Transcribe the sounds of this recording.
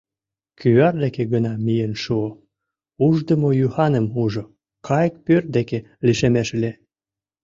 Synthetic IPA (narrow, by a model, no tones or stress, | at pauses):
kyɑrd̪ekeɡənɑmijenʃuo | uʒd̪ə̆mojuhɑnə̆muʒo | kʰɑjək̚pørt̪̚d̪eke | liʃemeʃle